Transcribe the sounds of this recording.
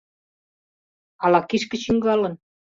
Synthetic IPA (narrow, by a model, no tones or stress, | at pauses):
ɑlɑkiʃkə̆t͡ɕiŋɡɑlə̆n